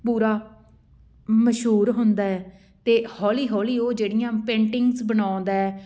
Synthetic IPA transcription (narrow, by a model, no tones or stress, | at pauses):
puːɾaː | məʃɦuːɾɦʊ̃nd̪aːɛː | t̪eːhɔːliːɦɔːliːoːd͡ʒeːɽɪjãːpẽːɳʈɪŋɡzbənãːnd̪aːɛː